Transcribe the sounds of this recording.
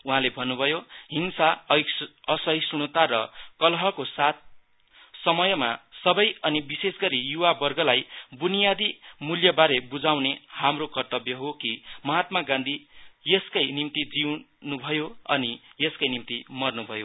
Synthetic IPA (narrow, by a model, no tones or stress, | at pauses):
uɦãlebʱʌnːubʱʌjoɦinsa | ʌsʌjsuɽ̃ʌt̪aɾʌkʌlɦʌkosat̪̚ | sʌmʌjʌma̰sʌbʌjʌnibisesɡʌɾijuwabʌrɡʌlajbunijad̪imuljʌbaɾebud͡zawnehamrokʌrt̪ʌbjʌɦokimʌɦat̪maɡãnd̪ʱijeskajnimt̪id͡ziw | nubʱʌjoʌ̰nijeskajnimt̪imʌrnubʱʌjo